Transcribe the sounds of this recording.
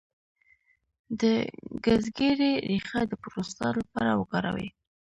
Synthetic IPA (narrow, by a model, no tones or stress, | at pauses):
d̪əɡazɡeɾeɾixad̪əpɾost̪alapɑɾawəkɑɾa̰wḭ